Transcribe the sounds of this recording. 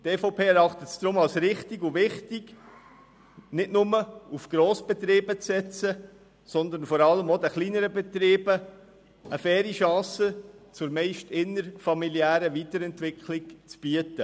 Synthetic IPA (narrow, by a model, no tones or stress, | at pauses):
tɛːfaʊpʰeːɛɾɑχtət̪d̥ɾʊmɑlsɾɪχtiɡuvɪχtɪɡ | nɪdnʊməufɡ̥ɾoːsb̥ɛt̪ɾiːbət͡ssɛt͡sə | sɔnd̪ənfɔɾɑləmod̪ɛχliːnəɾəbɛt̪ɾiːb̥ə | əfɛːɾiʃɑ̃ːsət͡sʊɾmɛɪʃtɪnəɾfɑmiliæːɾəviːtəɾɛntʋɪkʰχlɪkt͡sb̥iətə